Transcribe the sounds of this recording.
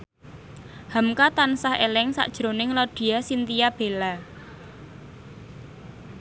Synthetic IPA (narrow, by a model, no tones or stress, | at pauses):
hamkat̪ansahḛlɪŋsa̰ʔd̥ʒ̥ɾonɪŋlɔɖ̥i̤asint̪ijab̥e̤la